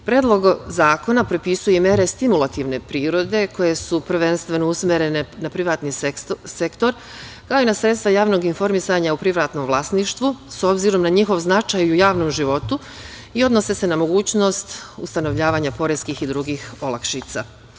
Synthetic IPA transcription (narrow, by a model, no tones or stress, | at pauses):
pɾed̪lˠo̞ɡzaːko̞napɾopisujemjeɾe̞st̪imulˠat̪iʋne̞pɾiːɾo̞d̪e̞ko̞je̞supɾ̩ʋe̞nst̪ʋe̞nousmʲeɾe̞nenapɾiʋaːt̪nisekt̪o̞ɾ | kaoinasɾet̪st̪ʋajaːʋno̞ɡinfo̞ɾmisaɲaupɾiʋɾat̪no̞mʋlˠasniːʃt̪ʋuso̞bziɾo̞mnaɲixo̞ʋznat͡ʃaːjujaːʋno̞mʒiʋo̞t̪u | io̞d̪no̞se̞se̞namo̞ɡuːt͡ɕno̞st̪ṵst̪ano̞ʋʎaːʋaːɲapo̞ɾeskiːxid̪ɾuɡiːxo̞lˠakʃit̪sa̰